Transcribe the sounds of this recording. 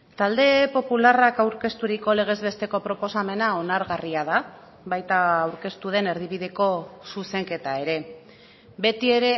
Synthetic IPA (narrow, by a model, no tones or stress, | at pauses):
t̪ald̪e̞po̞pularakawɾke̞st̪uɾiko̞le̞ɣ̞e̞zβe̞st̪e̞ko̞pɾo̞po̞same̞nao̞naɾɣariaða | βajt̪aːwɾke̞st̪uð̞e̞ne̞ɾð̞iβiðe̞ko̞suse̞ŋke̞t̪ae̞ɾe̞ | be̞t̪ie̞ɾe̞